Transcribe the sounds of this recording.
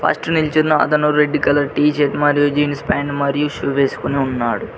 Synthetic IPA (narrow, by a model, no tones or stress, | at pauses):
pʰɐ̰sʈunilt͡ʃuːɐɐ̰t̪ɐnuɾeɖːikɐlɐʈiːt͡ʃeːt̪mɐɾijud͡ʒiːnspaːɳɖmɐɾijuʃuʋeːsu̥kuniunːaːɽu